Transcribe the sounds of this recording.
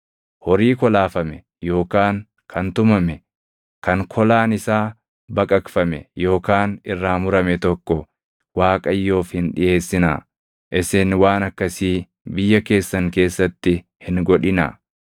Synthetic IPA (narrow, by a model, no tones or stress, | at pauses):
hɔɾiːkɔlaːfɐmɛ | jo̞ːkaːŋ | kʰɐnt̪ʊmɐmɛ | kɐŋkʰɔlaːnɪsaː | bɐkʼɐkfɐmɛ̰jo̞ːkaːnɪrːaːmʊɾɐmɛt̪ɔkːɔ | waːkʼɐjːo̞ːfhɪnᶑɪje̞ːsːɪnaː | ʔɪsɛnwaːnɐkːɐsiː | bɪjːɐke̞ːsːɐŋke̞ːsːɐt̪ːɪ | hɪŋɡɔᶑɪna̰